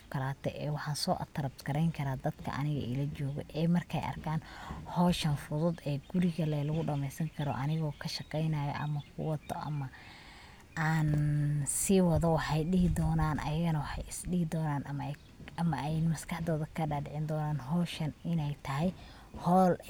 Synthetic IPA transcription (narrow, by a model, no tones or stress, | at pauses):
kʰɐɾaːt̪ʰɛ̰ʔɛːwɑħɑːnsɔːʔɐ̰t̪ʰːɐɾɐbt̪ɡʰɐɾɛjŋkʰɐɾaːd̪ɐd̪̥kʰɐ̰ʔɐ̰nɪɣɐ̰ʔɪ̰lɐt͡ʃɔːɣɔ̰ʔɛːmɐrkʰɛ̰jʔɐ̰rkʰaːnhɔːʃɐnfʊðʊd̪ɛːɡʊɾɪɣɐlɛlɐɣʊɖɐmɛjsɐŋkʰɐɾɔ̰ʔɐnɪɣɔːkʰɐʃɑqɛjnaːjɔ̰ʔɐ̰mɐkʰʊ̰wɐt̪ʰːɔ̰ʔɐ̰mɐ | aːnsɪwɑðɔwɑħɑjɗɪɦɪd̪ɔːnaːnʔɐ̰jɐɣɐnɐwɑħɑjɪsɖɪhɪd̪ɔːnaːnʔɐm | ɐmɐʔɛjmɐskɑħd̪ɔːðɐkʰɐɖaːɖɪʕɪnd̪ɔːnaːnɦɔːʃɐnɪnɛjt̪ʰɐɦɛj | hɔːl